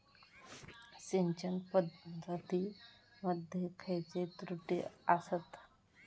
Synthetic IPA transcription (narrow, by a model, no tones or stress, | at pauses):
siɲt͡ɕənpəd̪ʱət̪i | məd̪ʱjekʰəjt͡set̪ɾuʈḭasət̪